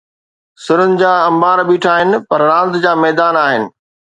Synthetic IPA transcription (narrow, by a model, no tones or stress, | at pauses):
sɪɾʊnɪ̆d͡ʑaːɐ̃mbaːɾɓiːʈʰaːɦɪnɪ̆pɐɾːãːnd̪d͡ʑaːmɛːd̪aːnaːɦɪnɪ̆